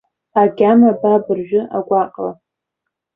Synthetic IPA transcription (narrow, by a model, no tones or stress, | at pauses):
aɡʲamababɨrʒᶣʊʔa̰ɡʷaqʼla